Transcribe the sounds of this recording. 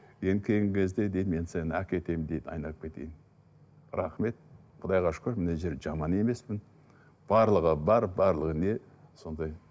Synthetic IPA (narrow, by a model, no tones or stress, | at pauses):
jenkʲʰe̞jɪŋkʲʰe̞zd̪e̞d̪ejd̪me̞nsenækʲe̞t̪e̞mɪnd̪e̞jd̪ɑ̰jnɑlˠəp̚kʰe̞t̪e̞̰jɪn | ɾɑχme̞t̪̚ | qʰʊd̪ɑjʁɑʃʊ̥kʰʲøɾmɪneʒe̞ɾʒɑmɑne̞me̞smɪn | b̥ɑɾlˠəʁəbɑɾbɑɾlˠəʁəne̞ | so̞nd̪ɑj